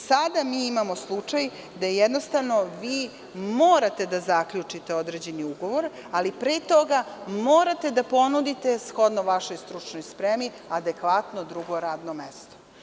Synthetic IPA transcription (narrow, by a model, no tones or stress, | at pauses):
sad̪amiːimamo̞slˠut͡ʂaj | d̪ajejed̪no̞st̪aʋno̞ʋiː | moːɾat̪ed̪azakʎut͡ʂit̪eo̞d̪ɾed͡ʑe̞niuɡo̞ʋo̞ɾ | alipɾet̪o̞ɡamoːɾat̪e̞d̪apo̞nud̪it̪e̞sxo̞d̪noʋaʃo̞jst̪ɾut͡ʂnojspɾemi | ad̪e̞kʋat̪nod̪ɾuɡo̞ɾaːd̪nomest̪o̥